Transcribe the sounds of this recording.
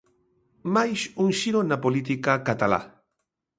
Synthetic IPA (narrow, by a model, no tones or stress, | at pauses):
majsuŋʃiɾonapolit̪ikakat̪ala̰